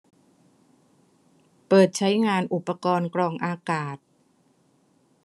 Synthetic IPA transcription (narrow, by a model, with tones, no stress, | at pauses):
pɤː˨˩t̪̚t͡ɕʰa˦˥jŋaː˧nʔu˨˩pːa˧kɔː˧nkɾɔː˧ŋʔaː˧kaː˨˩t̪̚